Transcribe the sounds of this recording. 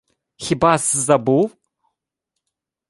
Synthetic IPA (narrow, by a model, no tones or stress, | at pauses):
xʲibaːsɨzɐbu